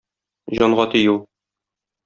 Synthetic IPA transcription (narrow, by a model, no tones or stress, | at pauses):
ʑɒɴʁɑt̪ĭjuw